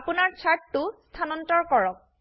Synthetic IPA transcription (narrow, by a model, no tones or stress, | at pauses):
punaɹt͡ʃʰaɹtːʊstʰanɔntɔɹkɔɹɔk̚